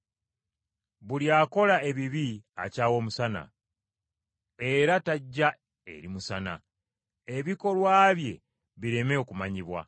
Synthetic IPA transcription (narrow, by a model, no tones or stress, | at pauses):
βuljaːko̞lae̞βiβia̰caːwo̞ːmusana̰ | e̞ɾataɟːa | e̞̰ɾimusana̰ | eβiko̞lwaːβje̞ | βiɾe̞meokumaɲiβwa̰